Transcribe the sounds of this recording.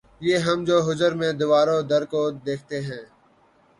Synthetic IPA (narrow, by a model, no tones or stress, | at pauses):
jeːɦəmd͡ʒoːɦʊzəɾmẽd̪ɪʋaːɾõd̪əɾkoːd̪eːkʰt̪eɦɛ̃ː